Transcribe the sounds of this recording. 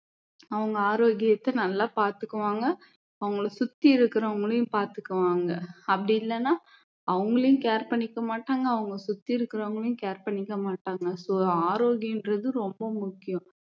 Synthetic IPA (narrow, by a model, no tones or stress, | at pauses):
ɐʋɐŋɡɐaːɾoːɣɪjɐt̪ːɛnɐlːaːpaːɾt̪ɯkːɐʋaːŋɡɐ | ɐʋɐŋɡɐɭɐsʊt̪ːiɪɾɯkːɯɾɔ̃ʋɐŋɡɐɭɐjʊ̃paːɾt̪ɯkːɐʋaːŋɡɐɐpːɐɽɪɪlːɐnːaː | ɐʋɐŋɡɐɭɐjʊ̃keːɾpɐɳːɪkːɐmaːʈːaːŋɡɐːʋɐŋɡɐsʊt̪ːɪɪɾɯkːɪɾɐɐɐŋɡɐɭɐjʊ̃keːɾpɐɳːɪkːɐmaːʈːaːŋɡɐsoːaːɾoːɣɪjɐɪndɾɐðɯɾɔmbɐmʊkːɪjʊ̃